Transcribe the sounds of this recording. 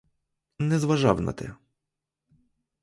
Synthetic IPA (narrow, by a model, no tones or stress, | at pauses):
nːɛzʋɐʒɑwnɐ̰t̪ɛ̰